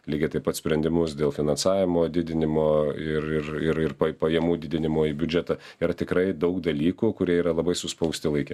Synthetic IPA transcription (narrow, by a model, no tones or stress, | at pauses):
lʲiːɡʲɛt̪ɐɪpɐtsʲpʲɾʲɛnʲd̪ʲɪmʊsd̪ʲeːlˠfʲɪnɐnsɑːʋʲɪmoːd̪ʲɪd̪ʲɪnʲɪmoːɪrɪrɪɾɪrpɐpɐjɛmuːd̪ʲɪd̪ʲɪnʲɪmoːibʲʊd͡ʒʲɛt̪ɐ | iːɾɐt̪ʲɪkɾɐɪd̪ɐʊkd̪ɐlʲiːkuːkʊɾʲiɛiːɾɐlˠɐbɐɪsʊspɐʊsʲt̪ʲɪlˠɐɪkʲɛ